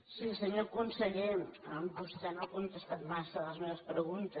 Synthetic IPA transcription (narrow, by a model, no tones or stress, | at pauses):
sisəɲokunsəʎeəmbust̪ɛnakunt̪əst̪at̪masəðələzmeβəspɾəɣunt̪ə